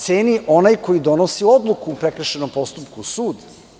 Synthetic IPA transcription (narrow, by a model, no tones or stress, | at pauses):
t̪seːniʔo̞najko̞jid̪o̞nosiod̪lˠukuːpɾekɾəʃeno̞mpo̞st̪upkuusuːd̪